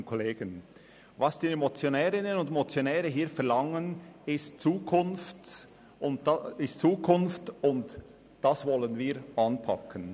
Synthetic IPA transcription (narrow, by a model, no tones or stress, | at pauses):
nkʰoleːɡ̥ən | vɑsd̥iːemot͡sjonɛːʁɪnənʊndemot͡sjonɛːʁəɦiːfɛɐlɑŋənɪstt͡suːkʰʊnft | ʔʊnɪstt͡suːkʰʊnftʊnt | d̥ɑsvɔlənviːʁʔɑnpʰɑ̰kʰən